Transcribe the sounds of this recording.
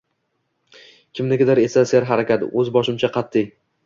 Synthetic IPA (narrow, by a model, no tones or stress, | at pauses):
kʲʰɪmnɪɡʲɪd̪aɾe̞saseɾɦaɾakʲat̪ɵzbɒʃɪmt͡ʃʰaqʰɑt̪ʰːɪj